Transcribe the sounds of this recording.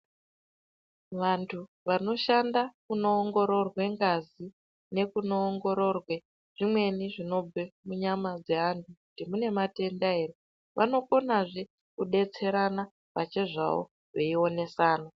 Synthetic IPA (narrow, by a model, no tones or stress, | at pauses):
ʋantʰu | ʋano̞ʃandakunoːŋɡo̞ɾo̞rwe̞ŋɡazi | ne̞kunoːŋɡo̞ɾo̞rwe̞ | ʐ̥imwe̞niʐino̞b͡vʱemuɲamad͡ze̞ɦantʰukutimune̞mate̞ndaɦe̞re | ʋʔano̞ko̞naʐe̞ | kuɗe̞t͡se̞ɾana | pa̰t͡ʃe̞ʐa̰wo̰ | ʐeio̞ne̞saːna